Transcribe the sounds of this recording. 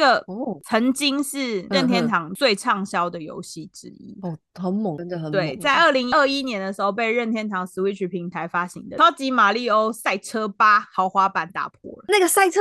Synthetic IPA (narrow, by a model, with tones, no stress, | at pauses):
a˥˩ɡə˨t͡sʰə˧˥ŋt͡ɕi˥ŋʂɻ̩˥˩ɻə˥˩nt̪ʰjɛ˥nt̪ʰɑ˨˩˦ŋt͡swe˥˧ɪʈ͡ʂʰɑ˥˩ŋɕjɑ˥ʊd̪ə˨jo̰˧˥ʊɕi˥˩ʈ͡ʂɻ̩˥ḭ˥˩xə˧˦nm˨˩ŋ˧ə˨xə˨˦t̪we˥˩˨ɪt͡sa˥˧˩ɪə˥˩li˧˥ŋi˦ə˥˩i˦˥njɛ˧˥nd̪ə˨ʂɻ̩˧˥xo˥˧ʊpe˥˧ɪɻə˥˧nt̪ʰjɛ˥˩nt̪ʰɑ˨˥ŋsɹ̩˧˥we˧˥ɪt͡ɕʰy˨˩pʰi˨˥ŋt̪ʰa˧˥ɪfa˥ɕḭ˧˥ŋd̪ə˨˩ɑ˥ʊt͡ɕi˧˥ma˨˩li˥˩o˥ʊsa˥˩ɪʈ͡ʂʰɤ˥pa˥xɑ˨˧˥ʊxwa˥pa˨˩nt̪a̰˨˩pʰwɔ̰˥˩lə˦na˥˩ɡə˩sa˥˩ɪʈ͡ʂʰə˥